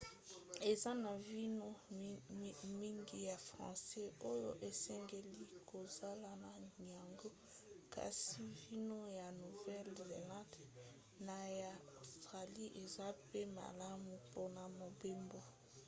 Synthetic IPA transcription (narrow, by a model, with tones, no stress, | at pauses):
e˨za˦na˨vi˦no˦ | mi˦ŋɡi˨ja˨fʁɑ̰̃˨sɛ˦o˦jo˦ʔe˨sɛ˦ŋɡe˨li˦ko˨za˦la˨na˨ja˨ŋɡo˦ | ka̰˨si˨vi˦no˦ja˨nu˨vɛ˦lze˨lã˦d | na˨ja˨o˨stʁa˨li˦ʔe˨za˦pe˦ma̰˨la˦mu˨po˦na˨mo˨be˦mbo˦˨